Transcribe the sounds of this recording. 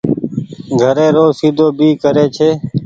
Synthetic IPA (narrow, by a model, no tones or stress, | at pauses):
ɡʱəɾẽːɾoːsiːd̪ʱoːbiːkəɾeːt͡ʃʰeː